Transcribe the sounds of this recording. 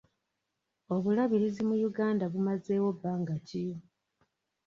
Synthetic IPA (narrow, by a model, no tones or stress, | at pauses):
o̞βulaβiɾizimujuɡaːndaβumaze̞ːwo̞baːŋɡacijo